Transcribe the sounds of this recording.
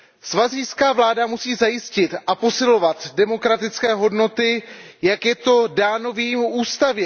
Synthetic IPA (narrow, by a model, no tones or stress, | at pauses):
svazijskaːvlaːdamusiːzajɪscɪt̪ʔapo̞sɪlo̞vat̪dɛmo̞kɾat̪ɪt͡skɛːɦo̞dno̞t̪ɪjakjɛt̪o̞daːno̞viːmuːst̪avjɛ